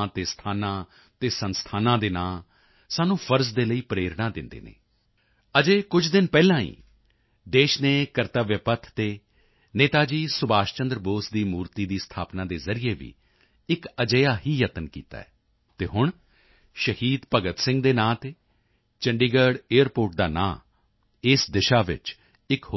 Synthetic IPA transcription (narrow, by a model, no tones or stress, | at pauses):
t̪eːst̪ʰaːnãː | t̪eːsənst̪ʰaːnãːd̪eːnãː | saːnũːpʰəɾzd̪eːləiːpɾeːɾnaːd̪ɪnd̪ḛːnḛː | əd͡ʒeːkʊd͡ʒʰd̪ɪnpɛːlãːḭː | d̪eːʃneːkəɾt̪aːʋjəpət̪ʰt̪eː | neːt̪aːd͡ʒiːsʊbaːʃt͡ʃə̃nd̪ɾboːsd̪iːmuːɾt̪iːd̪iːst̪ʰaːpnãːd̪eːzəɾijeːʋḭː | ɪkəd͡ʒəjaːɦiːjət̪ənkḭːt̪a̰ːɛː | t̪eːɦʊɳ | ʃəhiːd̪pəɡət̪sɪ̃ŋɡd̪eːnãːt̪eː | t͡ʃəɳɖiːɡəɾɖeːəɾpoːɾʈ̚d̪a̰ːnã̰ː | ɪsd̪ɪʃaːʋɪ̰t͡ʃ | ɪkɦ